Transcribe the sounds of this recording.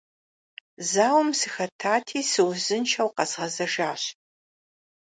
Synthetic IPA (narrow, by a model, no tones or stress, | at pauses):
zaːwmsɨxɐtʰaːtʰiːsɨwzɨnt͡ʃʰɐwqɐzʁɐzɐʒaːɕ